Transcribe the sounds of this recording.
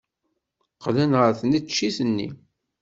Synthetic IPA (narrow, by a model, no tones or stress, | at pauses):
qːlənʁəɾθnit͡ʃːiθənːḭ